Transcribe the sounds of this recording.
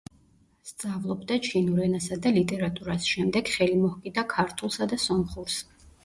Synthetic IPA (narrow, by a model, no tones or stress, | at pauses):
st̪sʼavlˠɔbd̪at͡ʃʰinuɾɛnasad̪alit̪ʼɛɾat̪ʼuɾasʃɛmd̪ɛɡ̥χɛlimɔhkʼid̪akʰaɾt̪ʰulˠsad̪asɔmχuɾs